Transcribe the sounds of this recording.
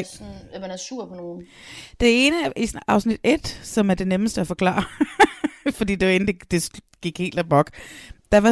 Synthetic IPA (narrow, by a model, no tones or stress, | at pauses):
næmænæsuɐ̰pʰɔno̝ː | d̥e̝e̝ːnəæʔisɑ̈ʊsnid̥e̝d̥sɒ̽mæɐd̥e̝neməsd̥əæfɒ̽kʰlɑ̰̈ːɐ | fɒ̽dḭːd̥e̝ʋɑ̈e̝n̩d̥ed̥e̝s | ɡ̥iɡ̥he̝̰ːld̥æb̥ɒɡ̥d̥ɑ̈ʋɑ̈